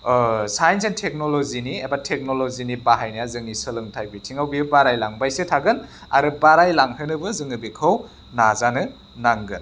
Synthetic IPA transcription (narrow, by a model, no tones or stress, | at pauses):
sajnsentʰek̚noloziniebatʰek̚nolozinibaɦajnajazɯŋisɯlɯŋtʰajbitʰiŋawbibaɾajlaŋbajsetʰaɡɯn | a̰ɾɯbaɾajlaŋhɯnɯbɯzɯŋɯbikʰɯw | nazanɯ | naŋɡɯn